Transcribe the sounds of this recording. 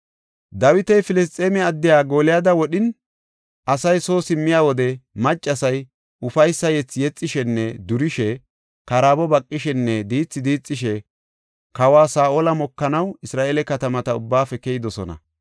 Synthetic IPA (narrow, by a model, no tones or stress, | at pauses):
d̪ɐwɪt̪ɛjfɪlɪs̬t̪ʼːeːmɛɐd̪ːɪjaːɡo̞ːlɪjaːd̪ɐwɔɗɪn | ʔɐsɐjso̞ːsɪmːɪjaːwɔd̪ɛmɐt͡ʃʼːɐsɐj | ʊfɐjsːɐjɛt͡sːjɛt͡sʼːɪʃɛnːɛd̪ʊɾɪʃɛ | kɐɾaːbɔbɐkʼːɪʃɛnːɛd̪iːt͡sːɪd̪iːt͡sʼːɪʃɛ | kɐwaːsaːʔoːlɐmɔkːɐnɐwɪsɾaːʔeːlɛkɐt̪ɐmɐt̪ɐʊbːaːfɛkɛjɪd̪ɔsɔnɐ̰